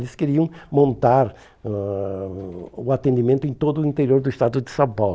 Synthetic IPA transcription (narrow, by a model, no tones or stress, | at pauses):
lɪskeɾiɐ̃w̃mõnt̪aɾ | ʊat̪ẽnd̪imẽnt̪ʊẽj̃t̪od̪ʊĩnt̪eɾioɾd̪ʊiʃt̪ad̪ʊd̪ɪsãpaw